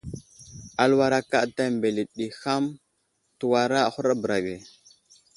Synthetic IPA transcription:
a˨lwa˦ɾa˦ka˦˨ta˦˨mbe˨li˨ɗi˨xa˦m | tu˨wa˨ɾa˦a˨xu˦ɾa˦bə˨ɾa˨ɡe˨

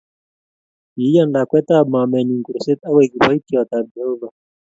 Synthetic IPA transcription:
ii˦ja˦ndakwɛ˦tama˨mɛ˨niŋɡu˨ɾɔsɛ˦t̪a˦wɛkiwa˦itiwa˨t̪a˨biɔ˦va

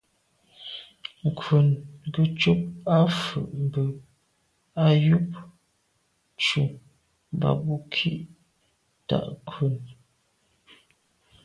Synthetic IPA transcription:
ŋ̩˨kʰwu˨nɡə˨t͡ʃu˦p̚a˦fʉ̰˨ʔm˨bə˨ | a˦ju˦p̚ | t͡ʃu˨ | m˨ba̰˨bu˦kʰi˦ʔ | ta̰˨ʔkʰwʉ˨n

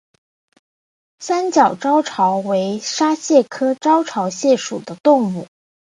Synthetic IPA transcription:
sa˥nt͡ɕjɑ˨˩ʊʈ͡ʂɑ˥ʊʈ͡ʂʰɑ˧˥ʊwe˧˥ɪʂa˥ɕjɛ˥˩kʰɤ˥ʈ͡ʂɑ˥ʊʈ͡ʂʰɑ˧˥ʊɕjɛ˥˩ʂu˨˩d̪ə˦t̪ʊ˥˧ŋu˥˩

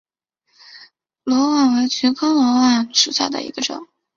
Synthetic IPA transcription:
lwɔ˧˥wa˥˩nwe˧˥ɪt͡ɕʰy˧˥nkʰɑ˥ʊlwɔ˧˥wa˥˩nʂu˨˩ɕja̰˥˩d̪ə̰˧ḭ˧˥ɡə˧ʈ͡ʂʊ̰˨˩˦ŋ

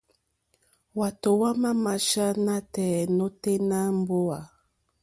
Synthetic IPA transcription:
wa˨to˨wa˦ma˦ma˨ʃa˦na˦tɛ˨no˦te˦na˦m˦bo˦a˨

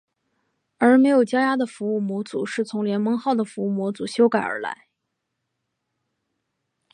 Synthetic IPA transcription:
ə˞˧˥me˧˥ɪjo˨˩ʊt͡ɕja˥ja˥d̪ə˨fu˧˥u˥˩mwɔ˧˥t͡sṵ˨˩ʂɻ̩˥˩t͡sʰʊ˧˥ŋljɛ˧˥nmɤ˥ŋxɑ˥˩ʊd̪ə˩fu˧˥u˥˩mwɔ˧˥t͡su˨˩ɕjo˥ʊka˨˩ɪə̰˞˧˥la̰˧˥ɪ

